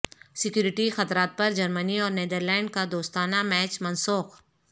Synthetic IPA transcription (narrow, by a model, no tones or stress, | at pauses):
sɪkjuːɾɪʈixɐt̪ɾaːt̪̚pɐɾd͡ʒɐɾməniɔːɾneːd̪əɾlɛ̃ːɳɖ̚kad̪oːst̪aːnamɛːt͡ʃmɐnsuːx